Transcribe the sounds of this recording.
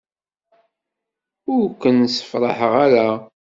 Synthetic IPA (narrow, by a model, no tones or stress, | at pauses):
ʊɾkʷːənːsə̥fɾˤɑ̰ħəʁaɾa